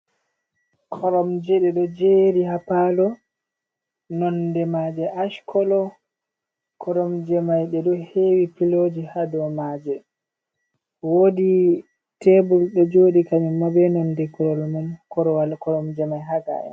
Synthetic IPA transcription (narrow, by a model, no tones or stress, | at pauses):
kʰɔɾɔmd͡ʒɛɗɛɗɔd͡ʒeːɾiɦapalɔ | nɔndɛmad͡ʒɛʔaʃkʰɔlɔ | kʰɔɾɔmd͡ʒɛmajɗɛɗɔhewipilod͡ʒihadɔmad͡ʒɛ | wodi | tɛbulɗɔd͡ʒoɗikaɲimabɛnɔndɛkɔlɔmɛnkɔɾɔwalkɔɾɔmd͡ʒɛmajɦaɡa̰ʔɛ̰